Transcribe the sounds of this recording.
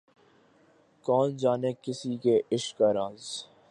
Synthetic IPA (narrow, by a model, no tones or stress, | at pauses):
kɔːnd͡ʒaːnekɪsikeʔɪʃkaɾaːz